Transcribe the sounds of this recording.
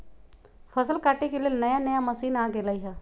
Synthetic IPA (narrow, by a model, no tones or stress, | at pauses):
fʰɐsəlkaːʈekelenɐjanɐjamɐsiːnaːɡeːlaiɦɛː